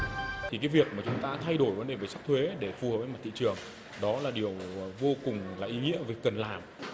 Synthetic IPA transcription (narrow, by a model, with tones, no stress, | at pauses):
t̪ʰi˨˩kaː˨˦jvi˨˩ək̚maː˨˩t͡ɕʊ˨˦ŋ͡mt̪aː˧t̪ʰa˧jɗo˧˩jvə˨˦nɗe˧˨˩vəː˨˦sa˦˥t̪ʰwe˨˦ɗe˧˩fu˨˩həː˨˩p̚əː˨˦m˨˩t̪ʰḭ˧˨t͡ɕɨ˨˩əŋ | ɗɔ˨˦laː˨˩ɗi˨˩əwvo˧kʊ˨˩ŋ͡mlaː˨˩ʔi˨˦ŋḭ˧˥əvə˨˩˦kə˨˩nlaː˨˩m